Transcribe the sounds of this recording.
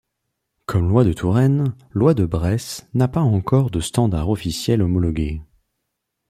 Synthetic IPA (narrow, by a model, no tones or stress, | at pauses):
kʰɔmlwad̪ət̪ʰuʁɛn | lwad̪əbʁɛsnapaɑ̃kɔʁd̪əst̪ɑ̃d̪a̰ʁɔfisjɛlɔmɔlɔɡʲe